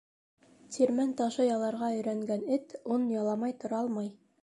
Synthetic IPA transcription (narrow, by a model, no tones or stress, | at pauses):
t̪ʰʲiɾmænt̪ɑʃɤjɑlˠɑɾʁɑɵ̆jɾæŋɡænɘt̪unjɑlˠɑmɑjt̪ŏɾɑɑlˠmɑj